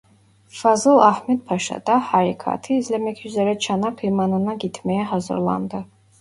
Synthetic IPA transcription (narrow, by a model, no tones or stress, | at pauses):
fazɨlˠaħmɛd̪̚pʰaʃa̰d̪aħaɾikʰa̰t̪ʰiːzlɛmɛkʰyzɛɾɛt͡ʃʰanapʰimanɨnaɡit̪ʰmɛjɛɦazɨ̰ɾlˠa̰nd̪ɨ